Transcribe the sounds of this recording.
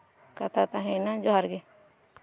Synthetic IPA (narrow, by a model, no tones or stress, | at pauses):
kat̪ʰat̪ãɦenãd͡ʒoɦaɾɡe